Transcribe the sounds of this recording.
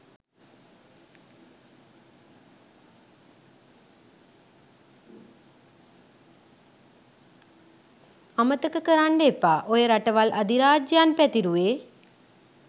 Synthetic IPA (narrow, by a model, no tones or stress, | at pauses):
amət̪əkəkəɾaɳɖepːaːʔojəɾaʈəʋalʔad̪iɾaːd͡ʒjaːnpæt̪iɾuʋeː